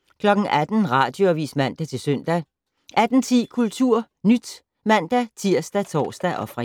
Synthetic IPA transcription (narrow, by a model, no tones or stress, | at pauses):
kʰlɒ̽ɡ̥ŋ̩æd̥n̩ʁɑ̈ːd̥jo̝ɐʋḭːsmæn̰d̥æt͡sʰe̝lsœn̰d̥æ | ʔæd̥n̩t͡sʰḭːkʰult͡sʰuɐ̰ | nyd̥ | mæn̰d̥æt͡sʰiɐ̰sd̥æt͡sʰɒ̰ːsd̥æʔɒ̽fʁɑ